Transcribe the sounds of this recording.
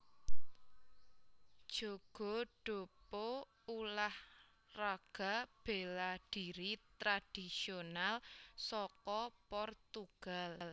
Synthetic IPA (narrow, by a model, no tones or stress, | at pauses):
d̥ʒ̥o̤ɡ̥o̤ɖ̥o̤pɔ | ulah | raɡ̥a̤b̥e̤laɖ̥iɾit̪ɾad̥isionalsɔkɔpɔrt̪uɡ̥all